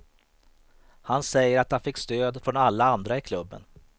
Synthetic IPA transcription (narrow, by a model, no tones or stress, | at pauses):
hansɛjːəɾat̪̚d̪anfɪkːst̪øːd̪fɾɔnalːaand̪ɾaɪkʰlɵbːə̰n